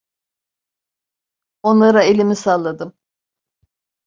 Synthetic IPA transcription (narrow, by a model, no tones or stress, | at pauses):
o̞nlˠaɾaelʲimisalˠːad̪ɯm